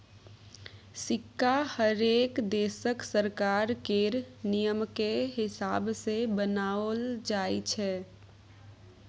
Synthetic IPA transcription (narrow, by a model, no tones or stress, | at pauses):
sɪkːahəɾeːkd̪esəksəɾkaɾkeɾnijəmkeɦɪsaːbsebənaəld͡ʒait͡ʃʰɛ